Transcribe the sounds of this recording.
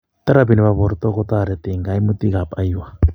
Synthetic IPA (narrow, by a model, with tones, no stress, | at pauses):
t̪a˦ɾabi˨ni˨βaβɔ˨ɾt̪ɔ˦kɔ˦t̪a˦˨ɾɛ˨t̪ɪ˨ŋɡa˨i˦mu˦t̪i˦ka˨pʼa˦iwa˨